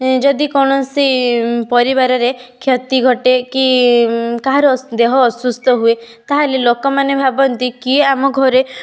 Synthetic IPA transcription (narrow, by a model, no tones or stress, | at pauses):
d͡ʒɔd̪ikɔwɽ̃ɔsipɔɾibaɾɔɾekʰjɔt̪iɡʱɔʈeki | kaɦaɾɔd̪eɦɔːsust̪ɔɦuet̪aɦelelokɔmanebʱabɔnt̪ikieamɔɡʱɔɾe